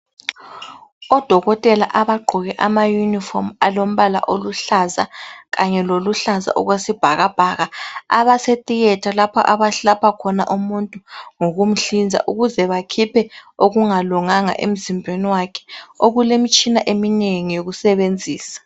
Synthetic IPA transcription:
ɔd̥ʱɔɣɔtʼɛlaʔaβaɡ͡ǃʱuɣɛʔamajunifɔ̰malom̩βala̰ʔoluɬaza̰ɣaɲɛloluɬaza̰ʔɔɣwesib̥ʱaɣab̥ʱaɣaaβasetʼiɣɛtʰalapʰɔ̰ʔaβaɬapʰakʰɔnaʔumuntʼuŋoɣum̩ɬind͡zʱa̰ʔuɣuzɛβakʰipʰɛoɣuŋaluŋaŋa̰ʔḛm̩zimbʱweniwakʰɛ̥oɣulemit͡ʃʼinaʔemineŋijoɣusɛβend͡zʱiːsḁ

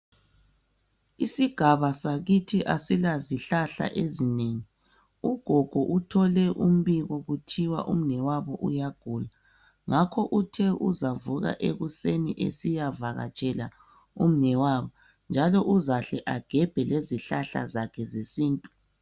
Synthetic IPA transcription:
isiɡ̥ʱaβasaɣitʰiʔasilaziɬaɬa̰ʔezineŋi | uɡ̥ʱɔɡ̥ʱɔʔutʰɔlɛʔum̩βiɣɔɣutʰiwa̰ʔum̩nɛwaβɔʔujaɡ̥ʱuːla | ŋakʰɔʔutʰɛʔuzavuɣa̰ʔeɣuseniʔḛsijavaɣa̰t͡ʃʼɛla | um̩nɛwaβɔ | nd͡ʒʱalɔʔuzaɬɛʔaɡ̥ʱɛb̥ʱɛleziɬaɬa̰zakʰɛzesiːntʼu̥

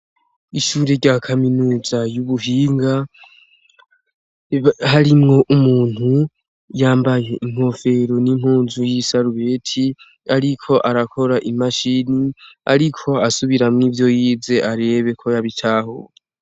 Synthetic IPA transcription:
iʃuːɾe̞ɾɟaːkʰaminuːzajuβuɦiːŋɡa | ɦaɾimŋo̞ʔumuːn̥hu | jaːmbaje̞ʔiŋ̥ho̞fe̞ɾo̞niŋ̥huːnzujisaɾuβe̞tʰi | aɾikʰo̞ʔaɾakʰo̞ɾaʔimaʃinia̰ɾikʰo̞asuβiɾamŋiːvjo̞jiːze̞ʔaɾe̞βe̞kʰo̞jaβitʰaho̰

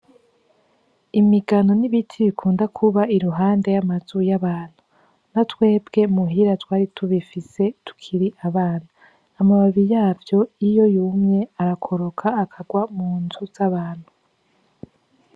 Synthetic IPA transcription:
imiɡano̞niβitʰiβikʰuːndakʰuβaiɾuɦaːnde̞jamaz̥ujaβaːn̥hu | natwe̞ːbɡe̞muɦiɾatwaːɾitʰuβifise̞tu̥kʰiɾiʔaβaːnaː | maβaβijaːvjo̞ijo̞jumɲe̞aɾakʰo̞ɾokʰaːkʰaɡwamuːnzuz̥aβaːn̥hu

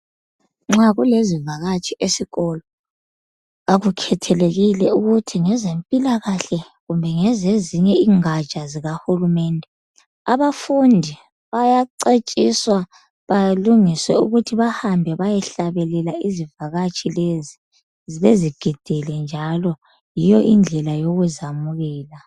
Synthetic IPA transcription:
ŋ͡ǁaɣulezivaɣat͡ʃʼiʔesiɣɔlɔ | aɣukʰɛtʰɛleɣilɛuɣutʰiŋɛzempʼilaɣaɬɛ | ɣumbʱɛŋezeziɲɛiŋḁt͡ʃʼaziɣahulumɛndʱɛ | aβafundʱi | βajaǀet͡ʃʼiswa | βaluŋiswɛuɣutʰiβahambʱɛβajɛɬaβɛlɛlaizivaɣat͡ʃʼilezi | ziβeziɡ̥ʱid̥ʱɛlɛnd͡ʒʱalɔ | jijɔʔind͡ɮʱɛlajoɣuzamuɣɛːla

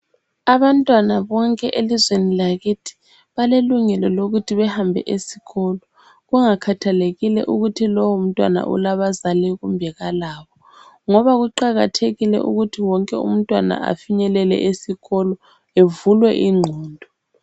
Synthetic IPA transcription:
aβantʼwanaβɔŋkʼɛʔelizwenilaɣitʰi̥ | βaleluŋɛlɔloɣutʰiβɛhambʱɛ̰ʔesi̥ɣɔlɔ | ɣuŋakʰatʰaleɣilɛ̰ʔuɣutʰilɔwum̩tʼwa̰na̰ʔṵlaβazalɛɣumbʱɛɣalaːβɔ | ŋɔβaɣuǃaɣatʰeɣilɛ̰ʔṵɣutʰiwɔŋkʼɛṵm̩tʼwana̰ʔa̰fiɲɛlɛlɛ̰ʔesiɣɔlɔ | evulwɛʔiŋ͡ǃʱɔːndʱɔ

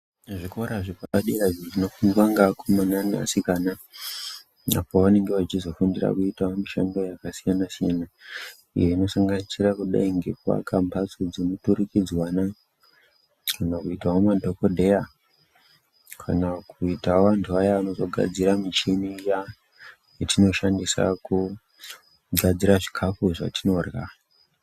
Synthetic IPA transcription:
ʐiko̞ɾaʐipaɓaɗiraʐiʐino̞fuŋɡwaŋɡakʰomanania̰sikaːna | a̰po̞ʋane̞ŋɡe̞ʋat͡ʃizo̞fundira̰kuitaɦomiʃa̰ndo̞jakasijanasijana | ḭje̞ino̞saŋɡanisirakuɗa̰iŋɡekwa̰kambʱat͡sod͡zinutuɾikid͡zwana | kʰanakuitaɦomadʱo̞kodʱe̞ja | kʰanakuitaoʋantʰuajaano̞zo̞ɡʱa̰d͡ziɾamit͡ʃenija | jetino̞ʃandisa̰ku | ɡʱad͡ziraʐikʰafuʐa̰tino̞rɣa

